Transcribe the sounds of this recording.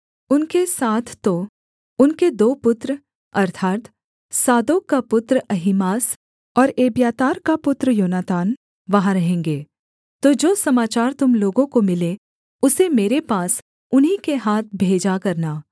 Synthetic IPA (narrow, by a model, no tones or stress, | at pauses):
ʊnkesaːt̪ʰːo | ʊnked̪oːpʊt̪ɾ | ɐɾt̪ʰaːt̪ | saːd̪oːkːapʊt̪ɾɐɦɪmaːs | ɔːɾeːbjaːt̪aːɾkapʊt̪ɾəjoːnaːt̪aːn | ʋɐɦãɾɐɦẽːŋɡeː | t̪oːd͡ʒoːsɐmaːt͡ʃaːɾt̪ʊmloːɡõkomɪle | ʊsemeːɾepaːs | ʊnɦikeɦaːt̪̚ʰbʱeːd͡ʒakɐɾnaː